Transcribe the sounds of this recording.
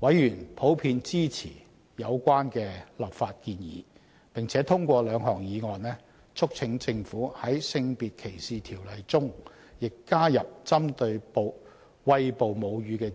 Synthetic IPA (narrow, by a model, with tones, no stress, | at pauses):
wɐ˨˥jɥyː˨˩npʰo˨˥wpʰiː˧nt͡siː˥t͡sʰḭː˨˩ | jɐ˨˧wkʷaː˥nkɛː˧lɐː˨˩pfaː˧t̚kiː˧njḭː˨˦ | pɪ˨˩ŋt͡sʰɛː˨˥t̪ʰʊ˥ŋkʷɔː˧lœː˨˧ŋɦɔː˨˩ŋjiː˨˧ŋɔː˨˩nnɛː˥ | t͡sʰʊ˥k̚t͡sʰɪ˨˥ŋt͡sɪ˧ŋfuː˨˥hɐ˨˥jsɪ˧ŋpiː˨t̚kʰe˨˩jsiː˨t̪ʰiː˨˩wlɐ˨jt͡sʊ˥ŋ | jɪ˨kːaː˥jɐ˨p̚t͡sɐ˥mt̪ɵ˧ɥpo˨w | wɐ˧jpo˨wmo˨˧wjɥyː˨˧kɛː˧